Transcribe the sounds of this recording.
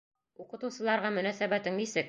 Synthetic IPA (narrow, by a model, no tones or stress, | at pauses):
uqɤ̆t̪ɤ̆wsɤ̆lˠɑɾʁɑmɵ̆næsæbæt̪ɘŋnisɘk